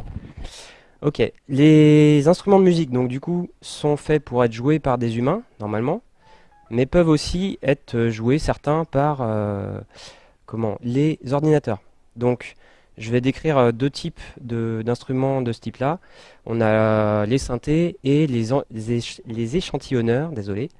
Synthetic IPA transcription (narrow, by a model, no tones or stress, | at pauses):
ɔkʲḛlezɛ̃st̪χymɑ̃d̪əmyzik̚d̪ɔ̃kd̪ykusɔ̃fɛpuʁɛt̪ʒwepaʁd̪ezymɛ̃nɔʁmalmɑ̃ | mɛpœvosiɛt̪χøʒuwesɛʁt̪ɛ̃paʁø | kɔmɑ̰̃lezɔʁd̪inat̪œ̰ːʁ | d̪ɔ̃k | ʒəvɛd̪ekχiʁød̪øt̪ʰipd̪əd̪ɛ̃st̪χymɑ̃d̪əsə̥t̪iplaɔ̰̃nalesɛ̃t̪eele | lezeʃɑ̃t̪ʰiɔnœːʁd̪ezɔle